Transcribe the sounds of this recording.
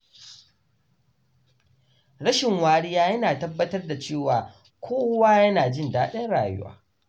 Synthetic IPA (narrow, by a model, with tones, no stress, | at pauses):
ɽɐ˦ʃɪ˨ŋwaː˨ɽɪ˦jaː˦jɐ˦naː˨tɐ˦bːɐ˦tɐ˦rda˨t͡ʃeː˦˨waː˨ | kʷʰoː˦waː˦jɐ˦naː˨d͡ʒɪ˦ndaː˦ɗɐ˦nɽaː˨jʊ̰˦wa̰ː˦